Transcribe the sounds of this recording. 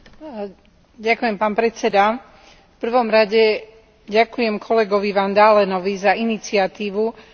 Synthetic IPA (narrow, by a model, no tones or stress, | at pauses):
ɟakujɛmpaːnpɾɛt͡sɛd̪a | fpr̩ʋɔmɾaɟɛ | ɟakujɛmkʰɔlɛɡɔʋiʋand̪aːlɛnɔʋizainit͡sɪat̪iːʋu